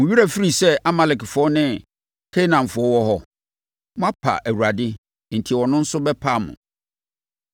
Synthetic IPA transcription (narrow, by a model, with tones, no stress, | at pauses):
mʊ̃˨ɥi˦ɾa˨fi˦ɾi˨sɛ˦a˦ma˨lɪ˨kfɔ˦nɪ̃˦ | kʰe˦i˦nã˨ɱ˨fʊ˨˦ɔ˦wɔ˦ɦɔ˦ | mʊ̃˦a˦pʰa̰˨ʔæ˨wu˨ɾa˨dɪ˦ | n̩˨tʰi˨wɔ˨nʊ̃˦n̩˦sʊ˦bɛ˦pʰa˦˨mʊ̰̃˨